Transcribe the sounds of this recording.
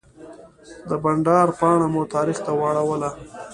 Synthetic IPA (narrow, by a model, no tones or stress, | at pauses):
d̪əbaɳɖɑɾpɑɳamut̪ɑːɾixt̪awɑɽawəla